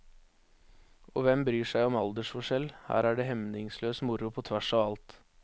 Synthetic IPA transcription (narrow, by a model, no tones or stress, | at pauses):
ɔʋɛmbɾyːʂæɪɔmɑld̪əʂfɔʂɛlhæ̰ːɾæɖɛɦɛmnɪŋsløːsmʊɾʊpʰɔt̪ʰʋæʂɑʋɑlt̪